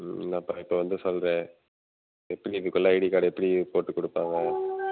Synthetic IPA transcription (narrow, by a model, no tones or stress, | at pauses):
naːpːaːɪpːoːʋɐnd̪ɯsɔlɾẽː | ɛpːɐɽiɪðɯkːʊlːãːɪɽikaːɽɛpːɐɽipoːʈːɯkːɔɽɯpːaːŋɡɐ